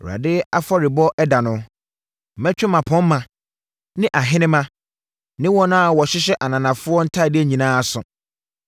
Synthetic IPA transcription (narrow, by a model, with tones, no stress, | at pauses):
ɾa̰˨dɪ˦a˦fɔ˦ɾɪ˨bɔ˦ʔɛ˦da˨nʊ̃˦˨ | mɛ̃˦t͡ɕᶣɪ˦mã˨pʰɔ̃˦m̩˦mã˨ | nɪ̃˦ʔa˨ɦɪ̃˦nɪ̃˦mã˦ | nɪ̃˦wɔ̃˦nʊ̃˦a˨wɔ˨ɕɪ˦ɕ̬ɛ˦ʔa˨nã˨nã˨fʊ˦ɔ˦n̩˦tʰa˦˨dɪ˦æ˨ɲĩ˨nãː˦a˨sʊ̃˨